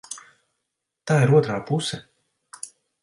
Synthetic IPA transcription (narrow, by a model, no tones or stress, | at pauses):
t̪aːiɾuɔt̪ɾaːpusɛ